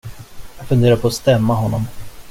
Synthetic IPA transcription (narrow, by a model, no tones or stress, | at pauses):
jɑːɡ̥fɵnd̪eːɾaɾpʰɔːst̪ɛmːaɦɔnːɔm